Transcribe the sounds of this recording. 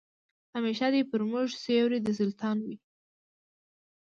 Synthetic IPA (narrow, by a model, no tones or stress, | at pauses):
ameʃad̪epəɾmʊʒsewɾid̪əsʊlt̪ʰɑnwi